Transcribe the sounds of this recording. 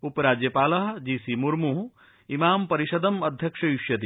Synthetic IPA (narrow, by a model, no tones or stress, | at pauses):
upɐɾaːd͡ʒjɐpaːlɐɦɐ̆d͡ʒiːsimuɾmuɦu | imaːmpɐɾiʃɐd̪ɐmɐd̪ʱjɐkʂɐjuʃjɐt̪̬i